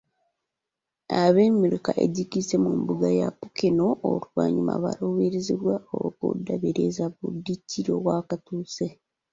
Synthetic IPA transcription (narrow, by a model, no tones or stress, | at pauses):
aβeːmiɾikaʔḛɟikisemumbuɡajapukinoo̰ɾuβwaːɲuma̰βa̰ɾoβeɾeziβwao̰okṵdːaβeɾezaβudiciɾoβwaːkatuːse